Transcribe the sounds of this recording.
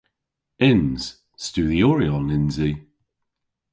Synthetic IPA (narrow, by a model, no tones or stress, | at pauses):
ɪnz̥ | stʉːðiɔɹiɔnɪnzi